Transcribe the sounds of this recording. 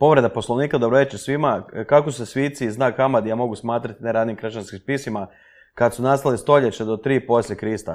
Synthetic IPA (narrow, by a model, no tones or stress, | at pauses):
po̞ʋɾe̞d̪apo̞slˠoʋniːkad̪obɾoʋe̞t͡ʃesʋimakakosusesʋiːt̪siznaːkamad̪ijamo̞ɡusmaːt̪ɾat̪ineɾaːd̪niːmkɾʃanskimspisima | kad̪sunast̪alist̪o̞ʎet͡ɕed̪o̞t̪ɾiːpo̞slʲʎe̞kɾist̪a̰